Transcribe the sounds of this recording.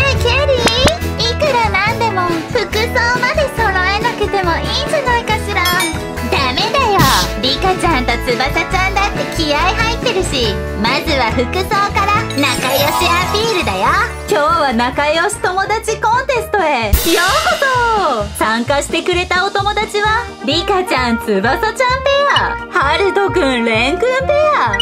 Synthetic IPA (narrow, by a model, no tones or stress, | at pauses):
kʲaɾʲiikɯ̟ɾanãnd̪e̞mo̞ɸɯ̟kɯ̟soːmad̪e̞so̞ɾaenakɯ̟t̪e̞mo̞iːd͡ʑanaikaɕiɾã | d̪ame̞d̪ajoɾʲikat͡ɕãnt̪at͡sɨbat̪at͡ɕãnd̪at̪ːe̞kʲijaiɦait̪ːe̞ɾɯ̟ɕi | mazɨβaɸɯ̟kɯ̟so̞ːkaɾanakajo̞ɕiapʲiːɾɯ̟d̪ajo | kʲo̞ːβanakajo̞ɕi̥t̪o̞mo̞d̪at͡ɕikõ̞nt̪e̞sɨ̥t̪o̞e̞joːhot̪osãŋkaɕi̥t̪e̞kɯ̟ɾe̞t̪ao̞t̪o̞mo̞d̪at͡ɕiβa | bʲikat͡ɕãnt͡sɨbasat͡ɕãnt̪ejahaɾɯ̟d̪o̞kɯ̟̃nɾẽŋkɯ̟̃np̪eja